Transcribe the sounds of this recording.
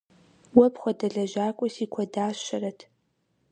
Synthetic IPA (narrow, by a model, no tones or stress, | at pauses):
wɐpχʷɔdɐɮɐʒaːkʷʼɔsikʷʰɔdaːɕɐɾɐtʰ